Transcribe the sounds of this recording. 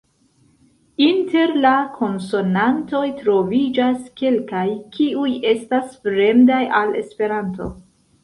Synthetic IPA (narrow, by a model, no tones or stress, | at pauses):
inte̞ɾlakʰo̞nso̞nanto̞jtɾo̞vid͡ʒaske̞lkajkʰiuje̞stasfɾe̞mdajale̞̰spe̞ɾanto̞̰